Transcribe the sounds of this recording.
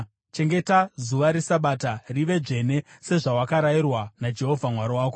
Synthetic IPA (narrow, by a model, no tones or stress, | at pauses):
t͡ʃe̞ŋɡe̞tazuʋaɾisaɓaːtariʋe̞ʐe̞ne̞se̞ʐawakaɾairwanad͡ʒe̞ɦo̞vʱamwaɾowaːko